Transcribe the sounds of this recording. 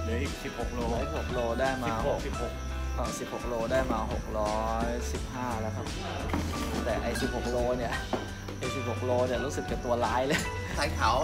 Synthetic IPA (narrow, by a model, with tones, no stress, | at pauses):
ɯ˦˥˩si˨˩p̚ho˨˩k̚loː˧si˨˩p̚ho˨˩k̚loː˧daː˥˩jmaː˨˧h̚hk | kʰa˧˩si˨˩p̚ho˨˩k̚loː˧daː˥˩jmaː˧ɦo˨˩k̚ɾɔː˦˥jsi˨˩p̚haː˥˩lɛː˦˥kʰa˦˥˩p̚ | t̪ɛː˨˩ʔa˧˩jsi˨˩p̚ho˨˩k̚loː˧ni˥˩ɐ | ʔa˧˩jsi˨˩p̚ho˨˩k̚loː˧ni˧˥˩ɐɾuː˦˥sɯ˨˩k̚ːa˨˩p̚t̪u˧ɐlaː˦˥jlɤ˧j | kʰaː˧˥jt̪ʰa˩˦w